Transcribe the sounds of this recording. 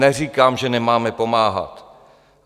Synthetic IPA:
ɛr̝iːkaːmʒɛnɛmaːmɛpo̞maːɦa̰t̪

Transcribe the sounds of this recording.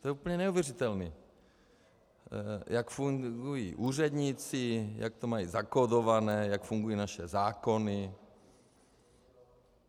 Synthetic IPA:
t̪ojɛupəɲɛnɛuvjɛrit̪ɛlniː | jakfuŋɡujḭʔuːr̝ɛd̪ɲiːt͡sɪja̰k̚t̪omajiːzakodovanɛːjakfuŋɡujiːnaʃɛzaːko̞nɪ

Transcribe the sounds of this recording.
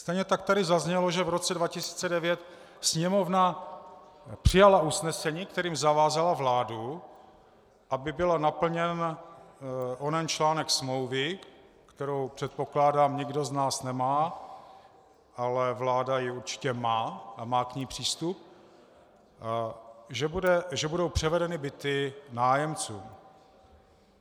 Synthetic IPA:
st̪ɛjɲɛt̪ak̚t̪adɪzazɲɛlo̞ʒɛvɾo̞t͡sɛdvacɪsi̥ːt͡sɛdɛvjɛt̪ | sɲɛmo̞vna | pr̥ɪjalausnɛsɛɲiːkt̪ɛɾiːmzavaːzalavlaːdu | ʔabɪbɪlnapl̩ɲɛn | ʔonɛnt͡ʃlaːnɛksmlowvɪ | kt̪ɛɾowpr̥ɛt̪̚po̞klaːdaːmɲɛɡdo̞znaːsnɛmaː | ʔalɛvlaːdajɪuɾt͡ʃɪ̥cɛmaːʔamaːkɲiːpr̝̥iːst̪up̚ | ʒɛbudɛʒɛbudo̞wpr̝̥ɛvɛdɛnɪbɪt̪ɪnaːjɛmt͡suːm

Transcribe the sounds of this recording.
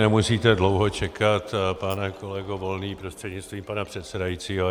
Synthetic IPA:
nɛmusiːt̪ɛdlo̞wɦo̞t͡ʃɛkat̪panɛko̞lɛɡovo̞lniːpɾost̪r̝̥ɛdɲɪt͡st̪viːmpanapr̝̥ɛt̪sɛdajiːt͡siːɦo

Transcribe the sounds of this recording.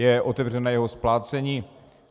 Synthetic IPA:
jɛʔot̪ɛvr̝ɛnaːjɛɦosplaːt͡sɛɲiː

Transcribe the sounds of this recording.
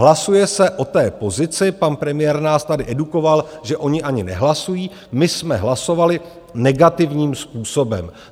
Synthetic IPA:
lasujɛsɛʔo̞t̪ɛːpo̞zɪt͡sɪpanpɾɛmɪjɛːɾnaːst̪adɪʔɛduko̞valʒɛʔo̞ɲɪʔaɲɪnɛɦlasujiː | mɪsmɛɦlaso̞valɪ | nɛɡat̪ɪvɲiːmspuːsobɛm

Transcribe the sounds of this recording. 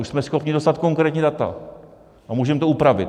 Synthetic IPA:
uʃsmɛsxo̞pɲɪdo̞st̪at̪ko̞ŋkɾɛːt̪ɲiːdat̪a̰ | ʔamuːʒɛmt̪oupɾavɪ̰t̪

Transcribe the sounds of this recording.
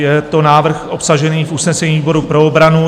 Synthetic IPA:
jɛt̪o̞naːvr̩xʔo̞psaʒɛniːfʔusnɛsɛɲiːbo̞ɾupɾo̞obɾanu

